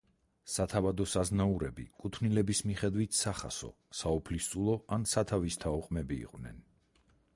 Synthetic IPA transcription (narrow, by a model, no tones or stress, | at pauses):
sat̪ʰavad̪ɔsaznauɾɛbḭkʼut̪ʰnilɛbismiχɛd̪vit̪ʰsaχa̰sɔ̰ | saɔpʰlist̪sʼulˠɔansat̪ʰavist̪ʰaɔqʼmɛbḭːqʼvnɛ̰n